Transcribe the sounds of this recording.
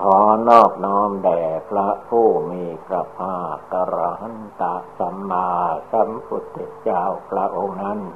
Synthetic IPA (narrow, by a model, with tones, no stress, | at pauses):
kʰɔː˨˩˦nɔː˥˩k̚nɔː˦˥mdɛː˨˩pʰɾa˦˥pʰuː˥˩miː˧pʰɾa˧pʰaː˥˩t̪̚ka˧ɾa˧ɦa˦˥nt̪a˨˦ʔsa˨˦mːaː˧sa˨˦˥mpʰu˨˦t̪ːe˨˩t̪̚t͡ɕaː˧wpʰɾa˦˥ʔo˧ŋna˦˥n